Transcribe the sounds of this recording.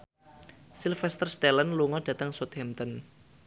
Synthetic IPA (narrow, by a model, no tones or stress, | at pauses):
silfɛst̪ərst̪ɛlənluŋɔɖ̥ä̤t̪əŋsot̪hɛmt̪ɔn